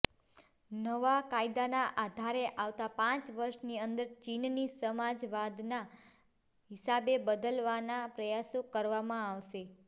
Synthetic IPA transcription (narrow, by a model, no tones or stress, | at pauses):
nəʋakaid̪anaʔad̪ʱaɾeʔaʋt̪apãt͡ʃʋəɾʃniənd̪əɾt͡ʃinnisəmad͡ʒʋad̪na | ɦɪsabebəd̪əlʋanapɾəjasokəɾʋamãaʋʃe